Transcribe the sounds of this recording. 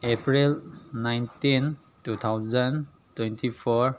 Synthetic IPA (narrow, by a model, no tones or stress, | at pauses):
epɾilnajntin | tut̪ʰawzən | twɛntʰipʰɔɹ